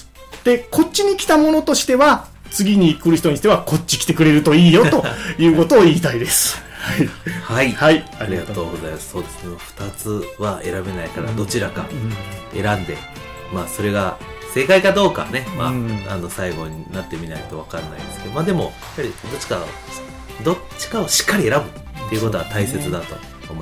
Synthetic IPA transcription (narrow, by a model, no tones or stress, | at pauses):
d̪̥e̞ko̞tt͡ɕːiɲ̟ikʲi̥t̪amo̞no̞t̪o̞ɕi̥t̪e̞βa | t͡sɨɡʲiɲ̟iːkɯ̟ɾɯ̟çit̪oɲi̥t̪e̞βako̞t͡ɕi̥kʲi̥t̪e̞kɯ̟ɾe̞ɾɯ̟t̪o̞iːjo̞tt̪o̞jɯ̟ːko̞t̪o̞ːiːt̪aid̪e̞sɨ̥ | haihaihaiaɾʲiɡat̪oːɡozajmasso̞ːd̪e̞sd̪emoɸɯ̟̥t̪at͡sɨβae̞ɾabe̞naikaɾa̰d̪o̞t͡ɕiɾaka̰ | e̞ɾãnd̪e̞ | maːso̞ɾe̞ɡa | se̞kaikad̪o̞ːka̰ne̞ma̰ano̞saiɡo̞ɲ̟inat̪ːe̞mʲinait̪o̞β̞akaɾna̰ḭd̪esɨ̥keomaːd̪e̞mo̞japːaɾʲid̪o̞t͡ɕi̥ka̰ | d̪o̞t͡ɕi̥kaoɕi̥kːaɾʲie̞ɾabɯ̟t̪ːeiɯ̟ko̞t̪o̞at̪aise̞t͡sɨd̪at̪o̞ | oːmo